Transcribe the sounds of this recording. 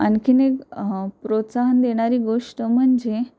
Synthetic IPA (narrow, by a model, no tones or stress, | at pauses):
a̰nkinepɾot̪saɦənd̪eɽ̃aɾiːɡoʂʈəm̤əɳd͡ʑe